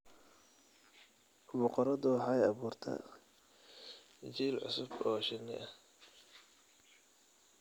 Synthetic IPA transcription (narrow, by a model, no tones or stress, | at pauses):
bʊqɔɾɐd̪ʊħɑjɑβuːrt̪ʰɐ̰ | t͡ʃiːlʕʊ̰sʊbɔːʃɪnːɪ̰ʔɐ